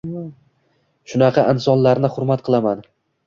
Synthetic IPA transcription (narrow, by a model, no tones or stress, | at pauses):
ʃʊnɑqʰɑʔɪnsɒnlaɾnɪχʊɾmat̪̚qʰɨlˠaman